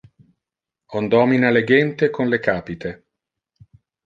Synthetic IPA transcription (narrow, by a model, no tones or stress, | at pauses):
ond̪ɔminaleɡɛnt̪ekonlekaːpit̪e